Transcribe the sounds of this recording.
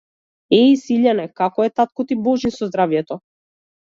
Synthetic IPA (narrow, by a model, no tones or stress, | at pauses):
ɛisiʎanɛkakɔɛt̪at̪̚kɔt̪ibɔʒisɔzd̪ɾavjɛt̪ɔ